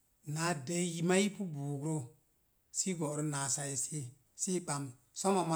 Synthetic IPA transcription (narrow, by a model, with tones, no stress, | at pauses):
na˨˦de˦ji˦ma˦ji˦pu˦buː˨ɡɾo˦ | si˦ɡo˨ɾo˦na˨sa˨ji˨si˦ | si˦k͡pa˨m | so˦ma˨ma˦